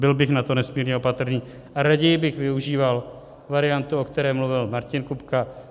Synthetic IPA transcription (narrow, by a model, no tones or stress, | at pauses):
bɪlbɪxnat̪o̞nɛsmiːɾɲɛopat̪rniː | ʔaɾaɟɛjɪbɪxvɪuʒiːval | vaɾɪjant̪uokt̪ɛɾɛːmluvɪlmaɾcɪnkupka